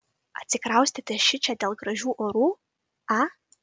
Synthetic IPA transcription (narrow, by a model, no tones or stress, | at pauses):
a̰tʲt͡sʲɪkrawsʲt̪ʲʰɪt̪ʲʃɪt͡ʃʰʲadʲelˠɡraʒʲuʔoɾu | a